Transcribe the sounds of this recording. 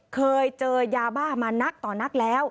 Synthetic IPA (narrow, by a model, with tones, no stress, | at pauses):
kʰəː˨˧˩jt͡ɕəː˨˩jzaː˨˩wɓaː˧˩maː˨˩na˦˥k̚t̪ɔː˨˩na˦˥k̚lɛ˨˦˥w